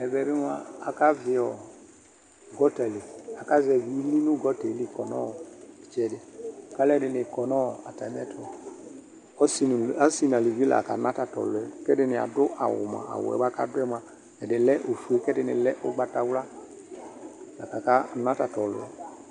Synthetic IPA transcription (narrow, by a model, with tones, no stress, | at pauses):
ɛ˨bɛ˨bɪ˦m˦a˧a˨ka˦vɪ˨ɔ˨ | ɡɔ˦ta˨li˨a˨ka˦zɛ˨vi˦li˦nu˦ɡɔ˦tɛ˨˦li˦˨kɔ˨nɔ˦˨i˨t͡ʃɛ˨dɪ˨ka˦lɛ˦˨dɪ˧˨nɪ˨kɔ˨nɔ˦˨a̰˨ta˨m˦ɛ˦tʰɔ˦ɔ˨ | ɔ˦si˦n˨a˦si˦˨na˨li˨vi˦la̰˨ka˨na˦ta˨tɔ̰˨lʊ˨ɛ˨kɛ˦dɪ˧nɪ˨a̰˨dʊ˦ʔa̰˨wʊ̰˨ma̰˨a̰˨w̰ɛ̰˨ba˦ka̰˦dʊ˦ɛ˦ma˨ | ɛ˨dɪ˨lɛ˦ʔo˨fu˦e˦kɛ˦dɪ˧nɪ̰˨lɛ˦ʔʊ˦ɡ͡ba˧ta˨wla˦ | la˨ka˨ka˦˨na˦ta˨tɔ˨lʊ̰˨ɛ̰˨